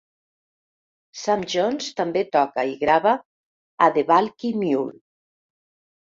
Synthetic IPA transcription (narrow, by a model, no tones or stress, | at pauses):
samʒonst̪ambet̪ɔkaiɣɾaβaː | ðeβalkimjul